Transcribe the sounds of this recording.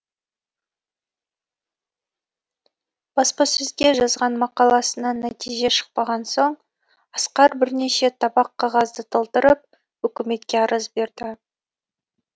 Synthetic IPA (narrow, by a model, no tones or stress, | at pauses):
b̥ɑspɑsɵzɡʲe̞ʒɑzʁɑnmɑqɑlˠɑsənɑnæt̪ijʒe̞ʃə̥q̚pɑʁɑnso̞ɴ | ɑsqɑɾbɪɾne̞ʃe̞t̪ʰɑbɑqʰːɑʁɑzd̪ət̪ʰəlˠt̪əɾəp̚ | wɵkʲɪme̞t̪kʲe̞ɑɾəzbe̞ɾd̪ɪ